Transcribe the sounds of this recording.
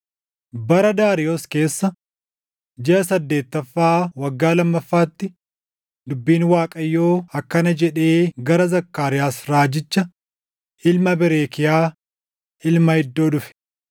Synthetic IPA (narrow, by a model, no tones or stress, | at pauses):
bɐɾɐd̪aːɾɪjoːske̞ːsːɐ | d͡ʒɛʔɐsɐd̪ːe̞ːt̪ːɐfːaːwɐɡːaːlɐmːɐfːaːt̪ːɪ | d̪ʊbːiːnwaːkʼɐjːo̞ːɐkːɐnɐd͡ʒɛᶑe̞ːɡɐɾɐzɐkːaːɾɪjaːsɾaːd͡ʒɪt͡ʃːɐ | ɪlmɐbɪɾeːkɪjaː | ɪlmɐhɪd̪ːo̞ːᶑʊfɛ̥